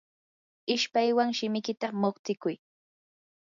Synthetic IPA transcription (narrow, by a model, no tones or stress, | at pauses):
ɪʃpajwaŋʃɪmɪkɪt̪amoχt͡s̪ɪkʊj